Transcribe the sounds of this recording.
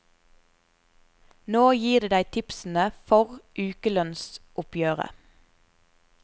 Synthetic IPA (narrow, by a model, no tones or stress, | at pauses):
noːjiːʁd̪eːd̪æɪt̪ʰɪpsn̩əfɔʁʔʉːkəlœnsʔʊpjøːʁə̰